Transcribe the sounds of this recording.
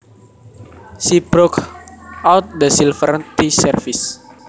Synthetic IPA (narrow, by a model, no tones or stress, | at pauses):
ʃibɾokʔawt̪̚dəsilfəɾt̪isɛrfis